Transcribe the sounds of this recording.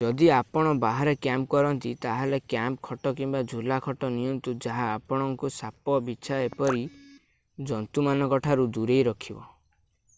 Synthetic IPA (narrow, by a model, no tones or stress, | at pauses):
d͡ʒɔd̪iapɔɽ̃ɔbaɦaɾekjamp̚kɔɾɔnt̪it̪aɦɔlekjamp̚kʰɔʈɔkimbad͡ʒʱulakʰɔʈɔniɔnt̪ud͡ʒaɦaːpɔɽ̃ɔŋkusapɔbit͡ʃʰaepɔɾi | d͡ʒɔnt̪umanɔkɔʈʰaɾud̪uɾejɾɔkʰibɔ